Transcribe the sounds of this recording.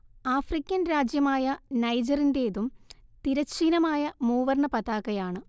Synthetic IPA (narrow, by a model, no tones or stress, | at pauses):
aːfrikʲːɐnɾaːd͡ʑjɐmaːjɐnɐjd͡ʑɐrinde̞ːðumt̪iɾɐt͡ɕːiːnɐmaːjɐmuːʋɐrɳɐpɐðaːɣɐjaːɳɨ